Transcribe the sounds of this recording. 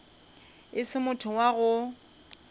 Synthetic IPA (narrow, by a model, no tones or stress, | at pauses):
ɪsɪmʊtʰʊwaɣʊ